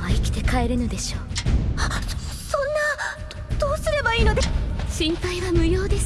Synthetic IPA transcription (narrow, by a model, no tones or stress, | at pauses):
aikʲi̥t̪e̞kaeɾɯ̟nod̪e̞ɕo̞ː | sõnːa | d̪̥o̞ːsɨɾe̞baiːno̞d̪eɕĩmpaiβamɯ̟joːd̪e̞s